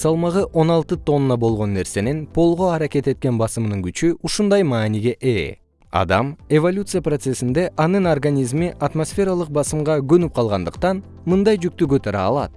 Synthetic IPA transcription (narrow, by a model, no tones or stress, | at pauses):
sɑlˠmɑʁɯʔo̞nɑlˠt̪ɯt̪o̞nːɑbo̞lˠʁo̞nːe̞ɾse̞ne̞npʰo̞lˠʁo̞ɑɾakʲe̞t̪e̞t̪̚ke̞nbɑsɯmnɯŋɡyt͡ʃyuʃund̪ɑjmɑːniɡʲe̞ʔeː | ɑ̰d̪ɑme̞volʲut̪sɨjapro̞t̪se̞sind̪e̞ʔɑnɯnorɡanʲizmiʔat̪mo̞sfʲe̞ɾɑlˠɯq̚bɑsɯmʁɑɡønyp̚qʰɑlˠʁɑnd̪ɯqt̪ɑn | mɯnd̪ɑjd͡ʒyk̚t̪yɡøt̪øɾɑːlˠɑ̰t̪̚